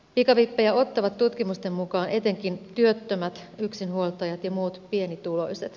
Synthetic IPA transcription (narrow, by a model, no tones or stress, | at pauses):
pikɑʋipːejæo̞t̪ːɑʋɑt̪ːut̪kimust̪e̞mmukɑːnʔe̞t̪e̞ŋk̟int̪yøt̪ːømæt̪yksinhuolt̪ɑjɑt̪jɑmuːt̪pie̞nit̪ulo̞̰jset̪